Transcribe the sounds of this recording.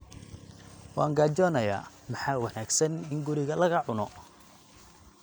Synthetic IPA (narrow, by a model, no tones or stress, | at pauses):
wɑːŋɡaːt͡ʃɔːnɐja̰ː | mɑħɑːwɑnaːɡsɐnɪŋɡʊɾɪɣɐlɐɣɐʕʊnɔ